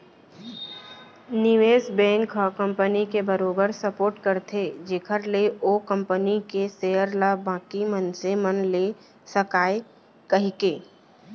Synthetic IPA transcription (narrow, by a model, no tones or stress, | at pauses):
nɪʋeːsbɛ̃ːŋkʰkə̃mpənikebəɾoːbəɾsəpoːɾʈkəɾt̪ʰed͡ʒeːkʰəɾleʔoːkə̃mpənikesejəɾlabãːkimənsemənleː | səkaːe | kɐɦikeː